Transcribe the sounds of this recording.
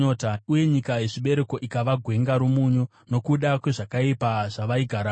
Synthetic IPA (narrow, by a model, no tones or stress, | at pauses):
otauje̞ɲikaje̞ʐiɓe̞ɾe̞ko̞ʔikaʋaɡʱwe̞ŋɡaɾumuɲo | no̞kuɗakwe̞ʐakaipaʐaʋaiɡʱaɾa